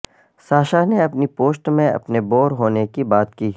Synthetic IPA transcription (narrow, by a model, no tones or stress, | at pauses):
saːʃaneɐpnipoːsʈmẽɐ̰pneboːɾɦoːnekibaːt̪kiː